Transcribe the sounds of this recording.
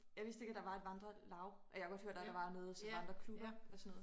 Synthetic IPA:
jɑ̈ɪʋisd̥e̝ɡ̥æd̥ɑ̈ʋɑ̈ed̥ʋɑ̈nd̥ʁɐlɑ̈ʊʔɒjɑhɡ̥ɒ̽d̥høɐ̰d̥æd̥ɑ̈ʋɑ̈nɔːð̩ˠsɒɑ̈nd̥ʁɐkʰlub̥ɐɒsɔnɔːð̩ˠ

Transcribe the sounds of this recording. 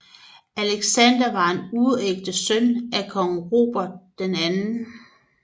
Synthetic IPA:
ʔæleɡ̥sænd̥ɐʋɑ̈e̝nuðˠeɡ̥̚d̥əsønækʰɒ̽ŋ̩ʁo̝̰ːb̥ɐd̥̚ːenænn̩

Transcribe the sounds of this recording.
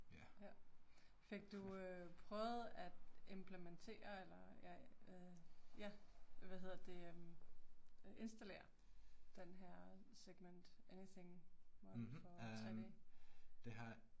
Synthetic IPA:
jjæ | fe̝ɡ̥̚d̥uøpʰʁœːʊð̩ˠæd̥e̝mpʰlement͡sʰe̝̰ːɐelɐjæ | jæʋæɦe̝ð̰ˠd̥e̝øm | ʔe̝nsd̥æle̝̰ːɐ | d̥enɦæɐ̰seɡ̥mend̥eniθe̝ŋmɒ̥fɒ̽t͡st͡sʰʁɛ̰deːd̥e̝ɦɑ

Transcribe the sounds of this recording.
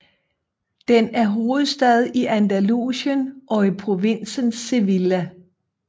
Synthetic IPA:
d̥enæɐɦo̝ːð̩ˠsd̥ɛð̞ˠiʔænd̥ælṵsənʔɒ̽ipʰʁo̝ʋen̰sənse̝ʋilæ

